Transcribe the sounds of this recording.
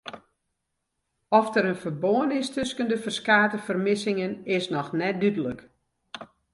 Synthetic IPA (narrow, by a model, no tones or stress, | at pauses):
ɔfdəɾənfərboənɪstʰʏskəndəfərskaːtəfərmɪsɪŋənɪsnɔxnɛt̚dydələk